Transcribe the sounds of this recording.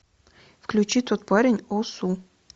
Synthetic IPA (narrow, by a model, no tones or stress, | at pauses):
fklʲʉt͡ɕit̪ot̪̚paɾʲɪnʲosu